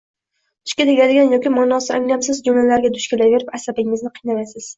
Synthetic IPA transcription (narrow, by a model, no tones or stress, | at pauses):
ʊ̥ʃkʲad̪ɪɡʲlad̪ɪɡʲanjɒkʲimɒnɒsɪaŋlʲamsɪzd͡ʒomlalaɾɡʲad̪ʊʃkʲɪlajve̞ɾɪpasabɪŋɪznɪqʰɨijnalasɪz̥